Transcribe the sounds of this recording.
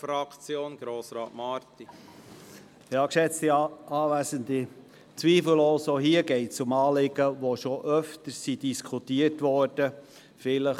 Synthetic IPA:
fɾɑkt͡sjoːnɡ̥ɾoːsɾɑːtmɑːɾt̪i | jɑːkʃɛt͡stiɑːʋæsəndi | t͡sʋiːfl̩losoɦiəɡɛɪtsʊmɑːlɪɡ̥əʋoʃɔʔœftəɾsidiskʰutiːətʋɔɾd̥ə | fɪləχ

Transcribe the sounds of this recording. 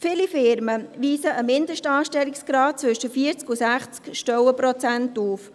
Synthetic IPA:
fɪlifɪɾməʋiːsəʔəmɪnd̪əʃtɑːʃtɛliksɡ̥ɾɑːt̚t͡sʋʏʃəfiəɾt͡skusæχt͡skʃtœwəpɾɔt͡sæntuːf

